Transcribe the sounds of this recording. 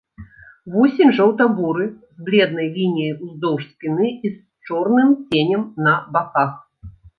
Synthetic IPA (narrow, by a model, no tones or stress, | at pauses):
vɔsʲemʲʐɐwt̪abuɾɨzblʲɛd̪nɐjlʲinʲijɐjuzd̪ɔwʂsʲpʲinɨis | t͡ʂɔrnɨmt͡sʲenʲɛmnɐbakax